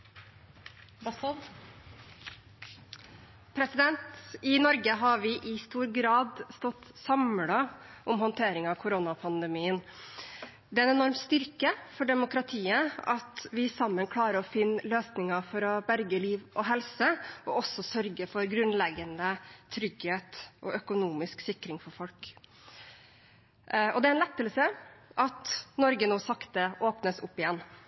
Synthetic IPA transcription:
pʰɾɛsɪd̪ɛnt̪ɪnɔɾɡəɦɑʋɪʔɪst̪uːɾɡɾɑːd̪st̪ɔt̪ːsɑmlɑʔʊmɦɔnt̪ʰeːɾɪŋɑkʰʊɾonɑpʰɑnd̪əmiːən | d̪ɛɛnɛnɔɾmst̪ʏɾkəfɔɖɛmʊkɾɑt̪ʰiːəɑt̪ʋɪsɑmːənkʰlɑːɾəɾɔfɪnːløːsnɪŋəfɔɾɔbæɾɡəliːʋʔɔɦɛlsəʔɔɔsːɔsœɾɡəfɔɾɡɾʉnlɛɡənət̪ʰɾʏɡheːt̪ʔɔʔœkʊnuːmɪsksɪkɾɪŋfɔɾfɔlk | ɔd̪ɛænlɛt̪ːəlsəʔɑt̪nɔɾɡənoːsɑkt̪əʔoːpnəsʊpːɪjɛnː

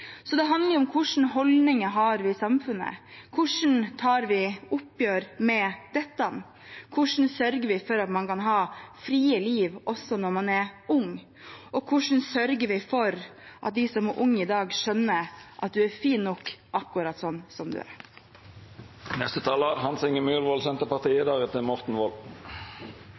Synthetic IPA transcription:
sɔd̪ɛɦɑnd̪ləɾʊmkʰʊʂn̩ɦɔld̪nɪŋəɦɑɾʋɪsɑmfʉnːə̰kʰʊʂn̩t̪ʰɑːɾʋɪʊpːjøːɾmɛd̪̥ɛt̪ːɑn | kʰʊʂn̩sœɾɡəɾʋɪfɔɾɑt̪mɑnkɑnɦɑːfɾiːəliːʋɔsːɔnɔɾmɑnɛɾʊŋ | ʔɔkʰʊʂɳn̩sœɾɡəɾʋɪfɔɾʔɑ̰t̪̚d̪ɪsɔmæɾʔʊŋːɪd̪ɑːɡʂœnːəɾʔɑt̪̚d̪ʉæɾfiːnnːɔkːʔɑkːʊɾɑt̪sɔnːsɔmd̪ʉ̰æ̰ɾ | nɛst̪ət̪ʰɑːləɾhɑnsɪŋəmyːlʋɔlsɛnt̪əpɑʁt̪ʰiːəd̪ɑːʁət̪ɪlmɔʁt̪n̩ʋɔl

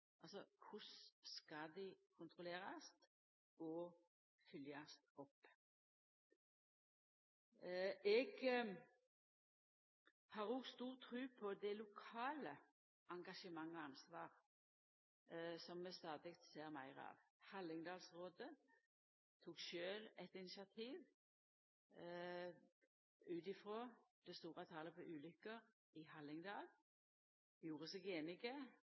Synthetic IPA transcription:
ʔɑlsɔkʰʊsskɑd̪ɪkʰʊnt̪ʰʁʊleːʁɑst̪ | ɔ | fʏljɑst̪ɔpː | ɛɡ | hɑːʁoːɡst̪uːʁt̪ʰːɾʉːpʰɔd̪ɛlʊkʰɑːlə | ɑŋɡɑʃəmɑŋːɔɑnsʋɑːʁ | sɔmːɛst̪ɑːd̪ɪɡt̪seːʁmæɪʁɑ̰ːʋhɑlːɪŋd̪ɑːlsʁoːd̪ə | t̪ʰuːkʃøːlɛt̪ɪnɪsɪɑt̪ʰiːʋ | ʉːt̪ɪfʁoːd̪̥ɛst̪uːʁɑt̪ʰɑːləpʰɔʔʉːlʏkəʁ | ɪhɑlɪŋd̪ɑːl | juːʁəsɛɡeːnɪɡə

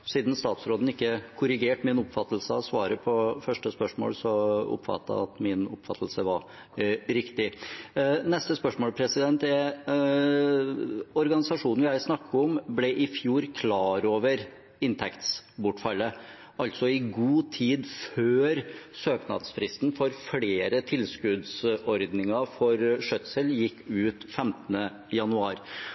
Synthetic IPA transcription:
siːd̪nst̪ɑːt̪sɾoːd̪n̩ɪkːəkʰʊɾɪɡeːʈmɪnʊpfɑt̪ːəl̩səɑ̰sʋɑːɾəpʰɔfœʂʈəspœʂmo̰ːlsɔɔ̰pːfɑ̰t̪ːɑ̰ɑt̪mɪnʊ̰pːfɑ̰t̪ʰːəl̩səʋɑɾ | ɾɪkt̪ɪ | nɛst̪əspœʂmoːlpʰɾɛsɪd̪ɛnt̪ɛ | ɔɾɡɑnɪsɑʂuːnʋjæɪsnɑkʰːəɔmblɛʔɪfjuːɾkʰlɑːɾoːʋəɾ | ɪnt̪ʰɛkt̪sbʊʈːfɑlːə | ɑlt̪sɔɪɡuːt̪ʰiːd̪føːɾsøːknɑ̰d̪sfɾɪst̪n̩fɔɾfɽeːɾət̪ʰɪlskʉd̪sɔɾd̪nɪŋɑfɔɾʂœt̪səljɪkːʉːt̪fɛmt̪ənə | jɑnʉɑːɾ

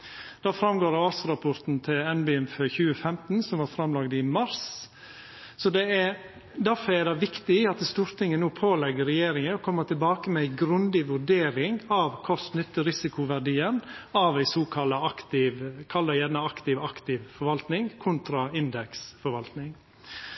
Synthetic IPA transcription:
d̪̥ɑːfɾɑmɡoːɾɑːsɾɑpʰɔɾt̪n̩t̪ʰɪlɛnbɪɛnføçʉːəfɛmt̪n̩sɔmʋɑːɾfɾɑmlɑɡd̪ɪmɑɾs | sɔd̪ɛæ | d̪æɾfɔɛd̪ɑʋɪkt̪ɪɑt̪st̪uːɾt̪ʰɪŋːənuːpʰoːlɛɡːəɾɛjeːɾɪŋəɔkʰɔmːəɾt̪ɪlbɑːkəmɛæɪɡɾʉnd̪ɪʋʉɾɖeːɾɪŋɑʋkʰɔst̪nʏt̪ːəɾɪsɪkʊʋæɖiːənɑʋæɪsuːkʰɑləɑkt̪ɪʋkʰɑlːəjɛnəɑkt̪ɪʋɑkt̪ɪʋfɔɾʋɑlt̪nɪŋkʰʊnt̪ɾɑɪnd̪ɛksfɔɾʋɑlt̪nɪŋ

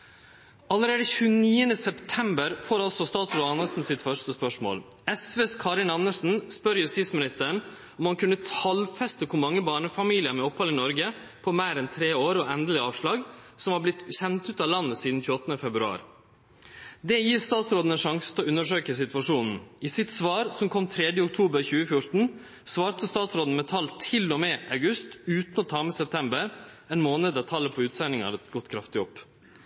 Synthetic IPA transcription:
ɑləɾeːd̪əçʉːniːənəsɛpt̪ʰɛmbəɾfoːɾɑlsɔst̪ɑːt̪sɾoːd̪ɑnəsn̩sɪt̪fœʂʈəspœʂmo̰ːl | ɛsʋeːskʰɑɾɪnɑnːəʂn̩spœɾjʉst̪iːt̪smɪnɪst̪əɾəɳ | ɔmhɑnkʉnːət̪ʰɑlfɛst̪əkʰʊmɑŋːəbɑːɳəfɑmiːlɪəmɛɔphɑlɪnɔɾɡə | pʰɔmæɪɾɛnt̪ʰɾeːoːɾɔɛnd̪əlɪɑːʋʂɭɑːɡsɔmhɑblɪt̪çɛnt̪ʉːt̪ɑːʋlɑnːəsiːd̪n̩çʉːɔt̪ːnəfɛbɾʉɑ̰ːɾ | d̪ɛjiːɾst̪ɑːt̪sɾoːd̪n̩ɛnʂɑŋsə̥t̪ʰɛɔʉnːəʂøːkəsɪt̪ʋɑʂuːnn̩ʔɪsɪt̪sʋɑːɾsɔmkʰɔmt̪ʰɾɛd̪jəʊk̚t̪ʰuːbəɾçʉːəfjʊɾt̪n̩ | sʋɑːɾt̪əst̪ɑːt̪sɾoːd̪n̩mɛt̪ʰɑlt̪ʰɪlːɔmɛʔɑʉɡʉst̪ʉːt̪nɔt̪ʰɑːmɛsɛp̚t̪ʰɛmbəɾ | ɛnmoːnəd̪ət̪ʰɑlːəpʰɔʉːt̪sɛnɪŋɑ̰ɾɛt̪ɡɔt̪ːkʰɾɑft̪ɪɔpː

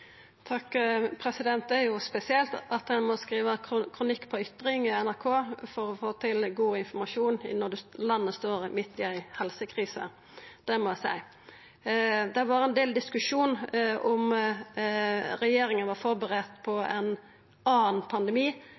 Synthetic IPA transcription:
t̪ʰɑkːpʰɾɛsɪd̪ɛnt̪̚ɛjʊspɛsɪɛlt̪ɑt̪hɛnmɔskɾiːʋəkkʰɾʊnɪkːpʰɔʏt̪ɾɪŋɪɛnæʁkʰoːfɔɾɔfoːt̪ʰɪlɡuːɪnfɔmɑʂuːnɪ̰nɔd̪ʉlɑnːəst̪oːɾmɪt̪ːɪæɪhɛlsəkʰʁiːsə̰ | d̪̥ɛmɔæsæ̰ɪ | d̪ɛʋɑʁɛnd̪eːld̪ɪskʉʂuːnɔm | ɾɛjeːɾɪŋənʋɑɾfɔɾbəʁɛt̪pʰɔɛ̰n | ɑːnpʰɑnd̪ɛmiː

